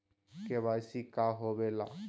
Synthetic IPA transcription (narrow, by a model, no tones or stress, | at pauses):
keβasikaɦobela